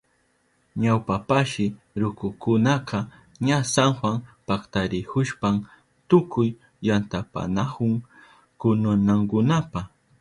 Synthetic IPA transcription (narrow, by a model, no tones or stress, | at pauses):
ɲawpapaʃɪ | ɾʊkʊkʊnaqɑ | ɲasaŋxwaŋpakt̪aɾɪkʊʃpam | t̪ʊkʊjː | ant̪apa̰nakʊŋ | kʊnʊnaŋkʊnapa